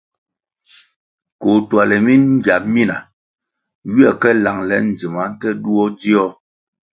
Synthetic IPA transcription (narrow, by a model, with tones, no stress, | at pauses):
ko˨twa˨lɛ˨mi˦nŋ̩˦ɡja˨p̚mi˦na˨ | wi˦ɛ˦˨kɛ˦la˨ŋlɛ˨˦n̩˨d͡zi˨ma˨˦n˦tɛ˦du˦ɔ˦di˦ɔ˦